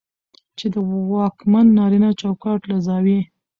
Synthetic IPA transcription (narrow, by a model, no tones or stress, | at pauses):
t͡ʃed̪əwɑkmanːɑɾinɑt͡ʃɑwkɑʈlazɑwi